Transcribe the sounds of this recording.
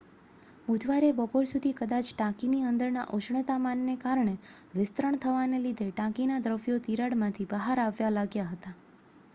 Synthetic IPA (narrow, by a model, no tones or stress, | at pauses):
mud̪ʱʋaɾebəpoɾsud̪ʱikəd̪at͡ʃʈãkiniənd̪əɾna̰ʔoʃɳət̪amanːekaɾɳeʋɪst̪ɾəɳ̃t̪ʰəʋanelid̪ʱeʈãkinad̪ɾəʋjot̪iɾaɽmãt̪ʰibəɦaɾaʋjalaɡjaɦət̪a